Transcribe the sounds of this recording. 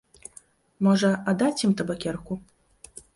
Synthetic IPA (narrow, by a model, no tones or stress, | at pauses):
mɔʐɐad̪at͡sʲjimt̪ɐbakʲɛrku